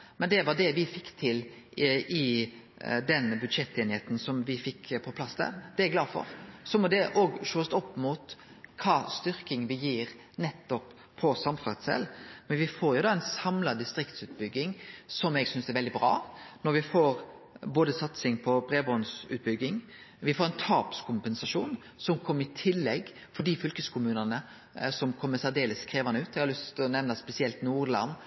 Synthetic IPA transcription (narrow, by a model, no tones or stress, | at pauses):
mɛnd̪ɛʋɑɖ̪ɛʋɪfɪkːt̪ʰɪl | ɪ | d̪ɛnbʉd̪ʂɛt̪ːeːnɪheːt̪n̩sɔmʋɪfɪkːpʰɔpʰlɑsd̪æ̰ːʁd̪̥ɛæɡlɑːd̪fɔ̰ɾsɔmɔd̪ɛʔoːɡʃoːst̪ɔpːmut̪ | kʰɑːst̪ʏɾkɪŋʋɪjiːɾ | nɛt̪ːɔpʰː | ɔsɑmfɑɾt̪sɛ̰lmɛnʋɪfoːɾjʊd̪ɑːɛnsɑmlɑd̪ɪst̪ɾɪkt̪sʉːt̪̚bʏɡːɪŋsɔmɛɡsʏnsd̪ɛɾʋɛld̪ɪbɾɑ̰ːnɔɾʋɪfoːɾ | boːd̪əsɑt̪sɪŋpʰɔbɾeːbɔnsʉ̰t̪̚bʏɡːɪŋʋɪfoːɾɛnt̪ʰɑːpskʰʊmpɛnsɑʂuːn | sɔmkʰɔmːəɪt̪ʰɪlːɛɡ | fɔɖifʏlkəskʰʊmʉːnənə | sɔmkʰɔmːəsæd̪eːləskʰɾeːʋɑnəʉːt̪ɛɡhɑlʏst̪ʰɪlɔnɛʋnɑspɛsɪɛlt̪nuːʁlɑ̰nː